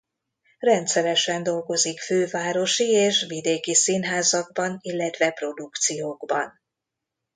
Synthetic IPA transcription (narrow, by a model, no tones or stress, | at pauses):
rɛnt̪sɛɾɛʃɛnd̪o̞lɡo̞zikføːvaːɾo̞ʃieːʃvid̪eːkisinɦaːzɒɡ̚bɒnilːɛt̪ʋɛpro̞d̪ukt̪sijoːɡbɒn